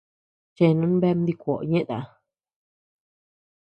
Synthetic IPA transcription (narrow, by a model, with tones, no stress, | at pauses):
t͡ʃẽ˧˨nũ˧˦n˦be˦˧m˦d̪i˧kʷo̰˨ɲẽ˦ʔt̪a˧